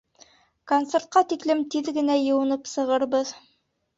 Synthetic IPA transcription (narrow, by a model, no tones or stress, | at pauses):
kont̪sert̪̚qɑt̪iklɘmt̪iðɡɘ̆næjɤ̆wɤ̆nɤpsɤ̆ʁɤɾbɤð